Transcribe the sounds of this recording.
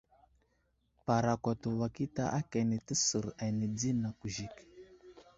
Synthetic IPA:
pa˨ɾa˨kʷa˨tu˨wa˨ki˦ta̰˦ʔa˦ka˨ni˨tə˦sə˨ɾa˨ni˨d͡zi˦na˨ku˨ʒi˨k

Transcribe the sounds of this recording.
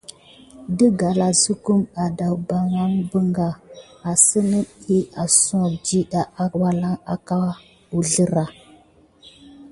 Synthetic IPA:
də˦ɡa˨la˨zu˦ku˦ma˨da˨wba˨ŋa˦ŋbə˦ŋɡa˨a˨sə˦nə˦i˦a˨sɔ̃˦˨k̚d͡ʒi˦ɗa˨ʔa˦wa˦la˦ŋa˨ka˦ | u˨ɮə˦ɾa˨

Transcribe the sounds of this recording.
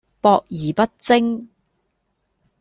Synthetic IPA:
pɔː˧k̚jiː˨˩pɐ˥t̚t͡sɪ˥ŋ

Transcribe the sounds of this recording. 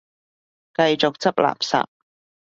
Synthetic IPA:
kɐ˧jt͡sʊ˨k̚t͡sɐ˥p̚lʔa̰ː˨˩p̚sa̰ː˨p̚

